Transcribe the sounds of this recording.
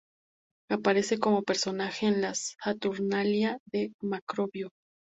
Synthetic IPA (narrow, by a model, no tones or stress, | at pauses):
apaɾe̞se̞ko̞mo̞pe̞ɾso̞naxeːnlasat̪uɾnaljaðemakɾoβjo